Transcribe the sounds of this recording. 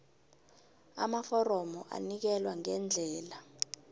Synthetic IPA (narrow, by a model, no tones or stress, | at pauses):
a̰mafɔrɔmɔʔa̰nik̬ɛlwaŋɛnd͡ɮʱɛːla